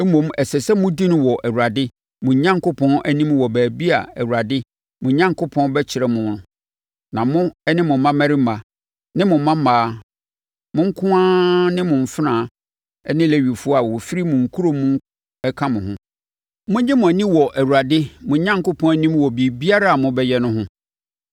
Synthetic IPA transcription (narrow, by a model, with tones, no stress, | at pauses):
mõ˨mɛ˨sɛ˨sɛ˦mʊ̃˦di˦nʊ̃˦wɔ˨ʔæ˨wu˨ɾa˨dɪ˦ | mʊ̃˨˦ɲã˦ŋkʊ˦pʰɔ̃˦nʔæ˦nĩ˦mwɔ˨bæː˨bi˦a̰˨æ˨wu˨ɾa˨dɪ˦ | mʊ̃˨ɲã˦ŋkʰʊ˦pʰɔ̃˦n˦bɛ˦t͡ɕʰɪ˨ɾɛ˨mʊ̃˨˦nʊ̃˨ | nã˨mʊ̃˦ɛ˦nɪ̃˦mʊ̃˨˦mã˦mæ˦ɾi˦mã˨ | nɪ̃˦mʊ̃˨m˦mã˦maː˨˦ | mʊ̃˦ŋ̩˦kʰʊ̃˦ãː˦nɪ̃˦mʊ̃˨ɱ˨fɪ˦ɾãː˨ | ɛ˦nɪ̃˦lɛ˦ɥi˨fu˦a˨wɔ˨fi˦ɾi˦mʊ̃˨ŋ̩˨kʰu˦ɾo˦mũ˦ŋ˦ | ɛ˦kʰã˦mʊ̃˨ɦʊ̰̃˦ | mʊ̃˦ɲɪ̃˦mʊ̃˨æ˨nĩ˦wɔ˨ʔæ˨wu˨ɾa˨dɪ˦mʊ̃˨ɲã˦ŋkʊ˦pʰɔ̃˦n˦æ˦nĩ˦mwɔ˨bi˨bi˦a˦ɾa˦a˨mʊ̃˦bɛ˦jɛ˦nʊ̃˦ɦʊ̃˦